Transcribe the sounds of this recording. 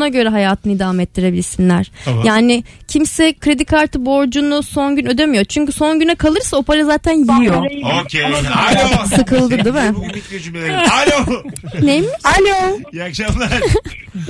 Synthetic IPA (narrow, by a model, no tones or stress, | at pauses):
aɟø̞ɾɛɦajaːt̪ʰɯnɯid̪aːmɛt̪̚d̪iɾe̞bilʲiɾsinlʲæɾ̥jaːnɪ | cʰimsɛkʰɾe̞d̪ikʰaɾt̪ʰɯbo̞ɾd͡ʒunuso̞nɟynø̞d̪e̞myjo̞ɾt͡ʃʰyɲcyso̞nɟynɛkʰalˠɯɾsaopaɾɯzaːt̪ʰænjijijooe | sɯkʰɯlˠd̪ɯd̪imɪiød͡ʒymeealonejmalojakʃamˠa